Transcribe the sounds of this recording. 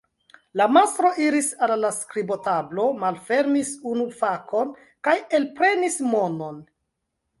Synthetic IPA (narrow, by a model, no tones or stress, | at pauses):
lamast̪ɾo̞ʔiɾisalːaskɾibo̞tablo̞malfe̞ɾmisunufakʰo̞n | kaje̞lpɾe̞nismo̞no̞n